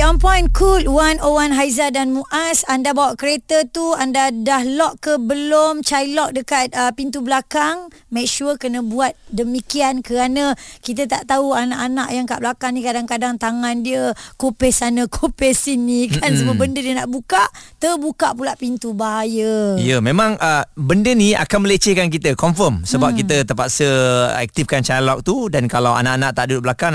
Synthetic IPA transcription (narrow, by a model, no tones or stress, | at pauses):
ɔmpɔjnkʰulwanowanɦaizadanmũʔasandabawaʔkəɾet̪ət̪uandadahlɔʔkːəbəlomt͡ʃajlɔʔ̚dəkat̪̚əpint̪ubəlakaŋ | mɛk̚ʃuəkənə̃buat̪̚dəmikiankəɾanãkit̪̬ət̪a̰ʔt̪auanaʔanaʔjaŋka̰ʔbəlakaŋnĩkadaŋkadaŋt̪aŋandiəkopɛsanəkʰopɛsinːikansəbabəndədiənaʔbukaʔt̪ərbukaʔpulaʔpint̪ubajəijəmẽmãŋəbəndənia̰kanməlet͡ʃekank̬it̪əkɔmfəmsəbap̚kit̪ət̪əpaʔsəɛ̰k̚t̪ifkant͡ʃalɔk̚t̪udankalawa̰naʔanaʔt̪aʔdudʊʔbəlakaŋ